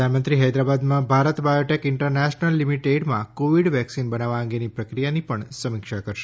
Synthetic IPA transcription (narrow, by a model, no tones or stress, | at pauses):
anmənt̪ɾiɦajd̪ɾabad̪mãbʱaɾət̪bajoʈekɪ̃ɳʈəɾnɛʃnəlːimiʈeɖmã̰koʋiɽʋɛksinbənaʋaə̃ŋɡenipɾəkɾijanipəɳsəmɪkʃakəɾʃe̥